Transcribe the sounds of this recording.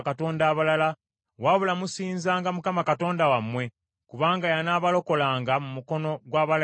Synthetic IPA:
kato̞ːndaːβalala | waβulamusiːnzaːŋɡamukamakato̞ːndawamːwe̞ | kuβaːŋɡajanaːβalo̞ko̞laːŋɡamumuko̞no̞ɡwaːβal

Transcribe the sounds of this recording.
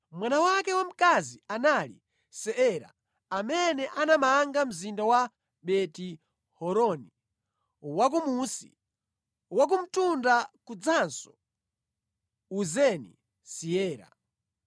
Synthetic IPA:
mwanawakɛwam̩kazianalḭ | sɛɛɾa̰ | amɛnɛʔanamaŋɡam̩zindawa | ɓɛti | hɔɾɔni | wak̬umusi | wak̬um̩tundakud͡zansɔ̥ | uzɛnḭ | siɛːɾa̰

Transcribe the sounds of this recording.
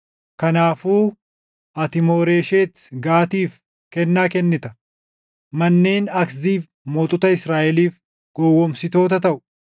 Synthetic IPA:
kɐnaːfuː | ʔɐt̪ɪmoːɾe̞ːʃeːt̪ɡaːt̪iːf | kɛnːaːkɛnːɪt̪ɐ̥ | mɐnːe̞ːnɐkziːf | mɔːt̪ʼʊt̪ɐɪsɾaːʔɛliːf | ɡ̥ɔwːɔmsɪt̪o̞ːt̪ɐt̪ɐʔʊ̥

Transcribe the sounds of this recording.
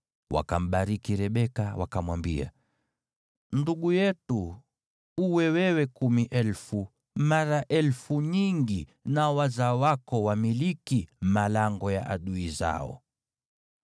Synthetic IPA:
wa̰kam̩ɓaɾikiɾɛɓɛkawakamwambia̰ | nduɠujɛtu | uwɛwɛwɛkumiʔɛlfu | maɾaʔɛlfuɲiŋɡinawazawakɔwamilikimalaŋɡɔja̰ʔaɗuiza̰ɔ̰

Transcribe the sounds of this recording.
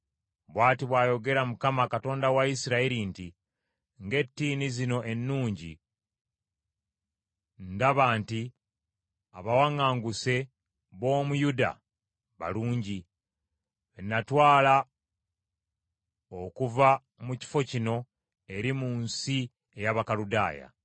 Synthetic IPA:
βwaːtiβwaːjo̞ɡe̞ɾamukamakato̞ːndawaisiɾaiɾinti | ŋɡe̞tːiːnizino̞ʔe̞nːuːɲɟḭ | ndaβaːnti | aβawaŋaːŋɡuse̞ | βo̞ːmujuda̰ | βa̰luːɲɟi | enːatwaːla | okuva | muci̥fo̞cino̞ | e̞ɾimunsi | e̞jaβakaluda̰ːja̰

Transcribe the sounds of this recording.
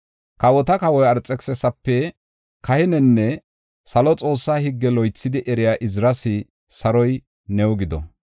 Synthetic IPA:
kɐwɔt̪ɐkɐwɔjɐɾt͡sʼːɛksɛsɐpːɛ | kʰɐhɪnɛnːɛ | sɐlɔt͡sʼo̞ːsːaːhɪɡːɛlɔjt͡sːɪd̪ɪʔɛɾɪjaːʔɪzɾɐsɪ | sɐɾɔj | nɛwɔɡɪd̪ɔ̰

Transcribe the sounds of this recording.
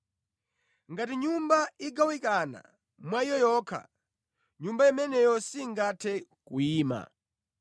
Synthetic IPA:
ŋɡatiɲumbaiɡawikana̰ | mwaijɔjɔːkʰa̰ | ɲumbaimɛnɛjɔsiŋɡatʰɛkuiːma̰

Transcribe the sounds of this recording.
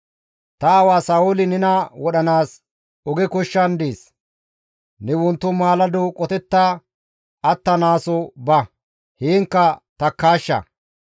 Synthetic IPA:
t̪ɐɐwaːsaːʊlɪnɪnɐwɔɗɐnaːs | ɔɡɛkʊʃːɐnd̪eːs | nɛwʊnt̪ːʊmaːlɐd̪ʊkʼɔt̪ɛt̪ːaː | ɐt̪ːɐnaːsɔbɐ | hiːŋkːɐt̪ɐkːaːʃːɐ̰

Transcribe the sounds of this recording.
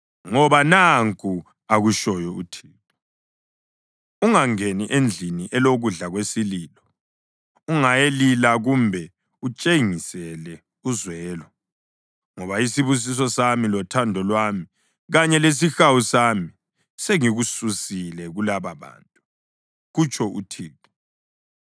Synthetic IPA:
ŋɔβanaŋkʼu | aɣuʃɔjɔṵtʰiːtʼɔ | uŋaŋeniʔend͡ɮʱiniʔɛloɣuɮaɣwesiliːlɔ | uŋajelilaɣumbʱɛ | ut͡ʃʼeŋisɛlɛ | uzwɛːlɔ | ŋɔβaisiβus̬is̬ɔsamilɔtʰandʱɔlwami | ɣaɲɛles̬ixawusami | seŋiɣususilɛɣulaβaβa̰ːntʼu | ɣut͡ʃʼʰɔṵtʰiːpi

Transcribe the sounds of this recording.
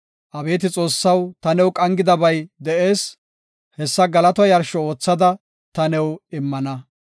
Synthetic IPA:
ʔɐbe̞ːt̪ɪt͡sʼo̞ːsːɐwt̪ɐnɛwkʼɐŋɡɪd̪ɐbɐjd̪ɛeːs | hɛsːɐɡɐlɐt̪ɔjɐɾʃɔo̞ːt͡sːɐd̪ɐ | t̪ɐnɛwɪmːɐnɐ

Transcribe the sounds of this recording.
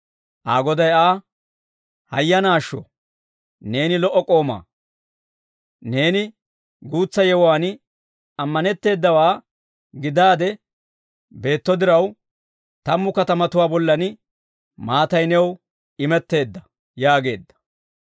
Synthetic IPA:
ʔaːɡɔd̪ɐjaː | hɐjːɐnaːʃːɔ̰ | ne̞ːnɪlɔʔːɔkʼo̞ːma̰ː | ne̞ːnɪ | ɡuːt͡sːɐjɛwʊwaːn | ɐmːɐnɛt̪ːe̞ːd̪ːɐwaː | ɡɪd̪aːd̪ɛ | be̞ːt̪ːɔd̪ɪɾɐw | t̪ɐmːʊkɐt̪ɐmɐt̪ʊwaːbɔlːɐn | maːt̪ɐjnɛw | ɪmɛt̪ːe̞ːd̪ːɐ | jaːɡe̞ːd̪ːɐ̥

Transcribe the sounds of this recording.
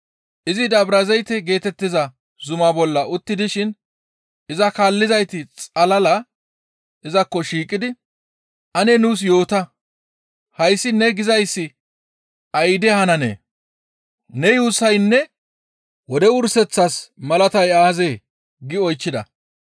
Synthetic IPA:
ʔɪzɪd̪ɐbɾɐzɛjt̪ɛɡe̞ːt̪ɛt̪ːɪzɐ | zʊmabɔlːɐʔʊt̪ːɪd̪ɪʃɪn | ɪzɐkaːlːɪzɐjt̪ɪt͡sʼɐlɐlɐ | ʔɪzɐkːɔʃiːkʼːɪd̪ɪ | ʔɐnɛnuːs̬jo̞ːt̪ɐ | hɐjsːɪnɛɡɪzɐjsːɪ | ɐjd̪ɛhɐnɐnḛː | nɛjuːsːɐjnːɛ | wɔd̪ɛʊɾsɛt͡sːɐsmɐlɐt̪ɐjaːzeː | ɡɪɔjt͡ʃːɪd̪ɐ̰

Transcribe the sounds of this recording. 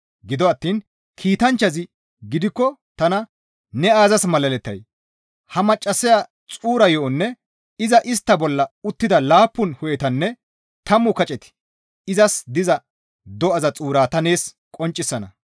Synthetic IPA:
ɡɪd̪ɔɐt̪ːiːn | kʰiːt̪ɐnt͡ʃːɐzɪ | ɡɪd̪ɪkːɔt̪ɐnɐ | nɛaːzɐsmɐlɐlɛt̪ːɐ̰j | hɐmɐt͡ʃʼːɐsɪja | t͡sʼuːɾɐjɔːnːɛ | ɪzɐʔɪst̪ːɐbɔlːɐʊt̪ːɪd̪ɐlaːpːʊnhɔjɛt̪ɐnːɛ | t̪ɐmːʊkɐt͡ʃʼɛt̪ɪ̥ | ɪzɐsd̪ɪzɐ | d̪ɔɐzɐt͡sʼuːɾaːt̪ɐne̞ːs | kʼɔnt͡ʃʼːɪsːɐnɐ

